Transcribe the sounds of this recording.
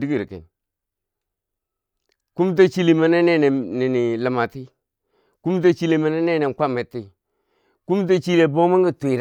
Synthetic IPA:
di˦ɡi˨ɾkḛ˨n | ku˦m˦t̬a˦t͡ʃi˦li˨ma˦ne˦ne˦ne˨ni˨ni˨lə˨ma˨ti˦ | ku˦m˦t̬a˦t͡ʃi˦le˨ma˨˦ne˦ne˦ne˨ka˦mːe˨tːi˦ | ku˦m˦t̬a˦t͡ʃi˦le˨bo˦ma˦ɡi˨tu˨i˨ɾ

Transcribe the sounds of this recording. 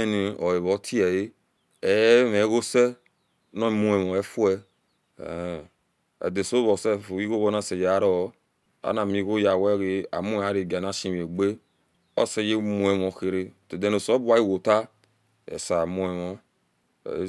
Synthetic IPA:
e˦ni˨ɔ˨e˨βɔ˨˦tʰi˦ɛ˨je˦ | ɛ˨˦me˨˦ɣo˦sɛ˦ | nɔ̃˦˨mũ˦ɛ˨mɔ˨ɛ˦fu˦ɛ̰˦˨ | ɛ̰˨de˨so˦βɔ˨sɛ˦˨fo˨i˦ɣo˦βɔ˦na˦se˨je˨a˦ɾɔ˦ | a̰˦na˨mĩ˨˦ɣo˦ja˨wɛ˦ɣe˨˦a̰˨mu˦˨a˨˦ɾe˨ɡa˨na˦sĩ˦m˨e˨ɡ͡be˦ | ɔ̰˦sɛ˦je˦mũ˨ɛ˨mɔ˨xe˨ɾe˦˨te˨de˦ne˨sɔ˦bu˦a˦i˦wo˨ta˦ | ɛ̰˨sa˨mũ˦ɛ˨mɔ̰˦˨˦

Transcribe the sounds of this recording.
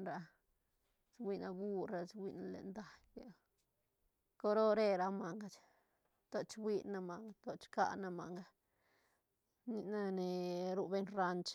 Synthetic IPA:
ɾa˧ | swi˦˧na˧bu˦ɾɾa˧swi˧na˧lḛ˨nd̪a˧jbe˨ | ko˦ɾo˦ɾe˦˧ɾa˧ma˨ŋɡa˨t͡ʃ | t̪o˧t͡ʃwʷi˧na˧ma˨ŋɡa˦t̪o˧t͡ʃka̰˧na˧ma̰˨ŋɡa˧ | ni˧na˦ne˨ɾu˧be˦nɾa˧nt͡ʃ

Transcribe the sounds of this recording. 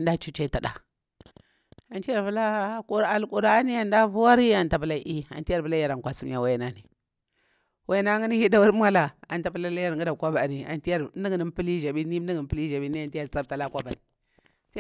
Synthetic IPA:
nda˦t͡ʃu˦t͡ʃe˦ta˨da˨ | a˨nt͡ʃi˦ja˦˨ɾvu˦la˦ku˨ɾa˨lku˨ɾa˦ni˦a˨nda˦vu˦wa˦ɾi˦a˨nta˨pə˦la˦ʔi˦a̰˨nti˦a˨ɾbə˨la˦ja˨ɾa˨ŋkʷa˨si˦m˦a˨wa˦jna˦ni˨ | wa˦na˦ŋi˦ni˦hi˦da˦wu˦ɾm˦a˦la˨a˨nta˨pə˦la˦la˦ja˦ɾɡi˦da˨kʷa˦ba˨ni˨a̰˨nti˦a˦ɾni˦ɡni˨˦m˦pi˦li˦ʒa˨bi˦ni˦i˦ɡpə˦li˦ʒa˨bi˦ni˦a˨nti˦ja˦˨ɾt͡sa˦b̚ta˨la˦kʷa˦ba˨ni˨ | t

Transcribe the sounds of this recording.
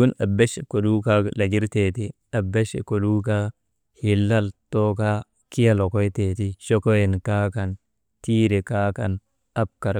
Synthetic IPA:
ɡʊ˦nɐ˨bːɛ˦ʃɛ˨kɔ˨duː˦kaː˦lɐ˨ɡɪ˦ɾt̪eː˨t̪ɪ˦ | ɐ˨bːɛ˦ʃɛ̰˨kɔ˨luː˦kaː˦ | hɪ˨lːɐ˦lt̪oː˦kaː˦ | kɪ˦jɐ˦lɔ˨kɔ˦jt̪eː˨t̪ɪ˦ʃɔ˦kɔ˦jɛ˨nkaː˦kɐ˨n | t̪iː˦ɾɛ˨kaː˦kɐ˨n | ɐ˦b̚kɐ˨ɾ

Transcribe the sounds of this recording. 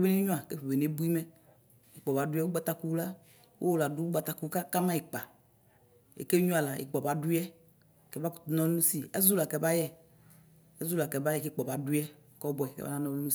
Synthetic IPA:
e˦be˦ne˦ɲũ˦a˨ke˦ɸe˨be˨ne˨˦bu˦i˦mɛ˦ | e˨k͡pɔ˨ba˨du˦ɛ˦wo˦ɡ͡ba˦t̪a˦ku˦u˦la˦ | wʔo̰˦wo˦la˨du˦u˦ɡ͡ba˨t̪a˨˦ku˦ka˦ka˦mã˦i˨k͡pa˨ | ḛ˨ke˦ɲũ˦a˨la˨ḛ˨k͡pɔ˨ba˨du˦jɛ˦˨ | kɛ˦ba˦ku˨t̪u˦nɔ˦lnũ˦si˦ḛ˦zu˦la˨kɛ˨ba˦jɛ˦ | e˦zu˦la˨kɛ˨ba˦jɛ˦˨ke˦k͡pɔ˨ba˨du˦ɛ˦˨kɔ˦bɔ˨ɛ˨kḛ˦ba̰˦nã˦nɔ̃˦lu˦nũ˦˨

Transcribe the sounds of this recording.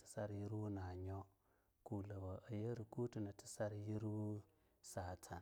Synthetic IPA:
ti̥˦sa˦ɾji˦ɾu˦na˨ɲo˦ | ku˨la˨ba˨ʔa˨je˦ɾi˨ku˦ti˨na˨ti̥˦sa˦ɾji˦ɾu˦ | sa˨tʰa˨n

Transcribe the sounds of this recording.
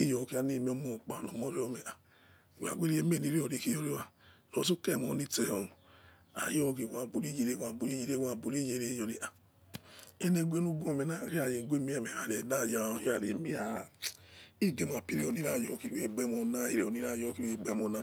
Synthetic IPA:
i˦jo˨ki˦a˧ne˦˨mi˧˦o˦mo˨k͡pa˨no˨mo˦ɾi˦o˨˧me˨a˨ | wa̰˨ɡʷe˦ɾi˦e˦me˦˨ni˦ɾi˦o˨ɾi˧˨ki˦o˦ɾe˦a˨ | ɾo̰˨˦su˦kɛ˦˨m˨o˨˦ni˦te˦o˨n˨ | a̰˨jo˦ki˧˨wa˨bu˨ɾi˦d͡ʒi˧ɾe˦wa˧˨bu˨ɾi˦d͡ʒi˦ɾe˦wa˨bu˨ɾi˦je˨˦ɾe˦jo˨ɾi˨ʔa˨ | e˦ne˧ɡʷe˦nu˦bu˦o˦˨me˨na˦˨ɾi˦a˦˨je˨ɡʷe˦mi˦ɛ˦˨me˨a˨ɾe˨da˦˨d͡ʒa˨˦a˨ɾḛ˨mi˦a˨ | i˦˨ɡe˨m˨a˨pi˦ɾe˦o˨ni˦ɾa˦˨jo˨ki˦we˦˨ɡ͡bɛ˦mo˧na˦ḭ˦ɾe˦˨o˨ni˦ɾa˦˨jo˧˦ki˦we˦˨ɡ͡bɛ˦mo˨na˦

